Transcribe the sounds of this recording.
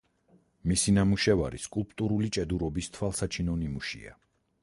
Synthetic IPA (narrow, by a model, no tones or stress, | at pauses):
misinamuʃɛva̰ɾḭskʼulˠpʼt̪ʼuɾulit͡ʃʼɛd̪uɾɔbist̪ʰwalˠsat͡ʃʰinɔnimuʃḭa̰